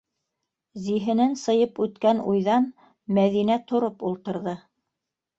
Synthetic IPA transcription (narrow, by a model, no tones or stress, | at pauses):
ziɦɘ̆nɘnsɤ̆jɤpʉt̪kænujðɑn | mæðinæt̪ʰŏɾopulˠt̪ɤ̆ɾðɤ